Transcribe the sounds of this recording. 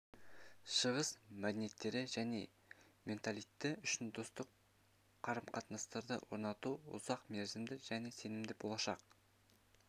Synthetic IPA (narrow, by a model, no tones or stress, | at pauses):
ʃəʁəsmæd̪ene̞t̪ːe̞ɾɪʒæne̞ | mʲe̞nt̪alˠijt̪ːɪʏʃɪnd̪ost̪əqʰː | ɑɾəmqʰɑt̪nɑst̪ɑɾd̪ə̰wo̞̰ɾnɑt̪uʊ̰zɑqme̞ɾzɪmd̪ɪʒæne̞se̞nɪmd̪ɪbo̞lˠɑʃɑq